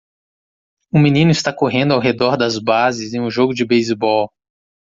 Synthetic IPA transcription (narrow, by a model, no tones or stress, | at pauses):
ʊminĩnʊist̪akoɦẽnd̪ʊawɦed̪ɔɾd̪ɐzbazɪzẽj̃ũʒoɡʊd͡ʒɪbejzbɔw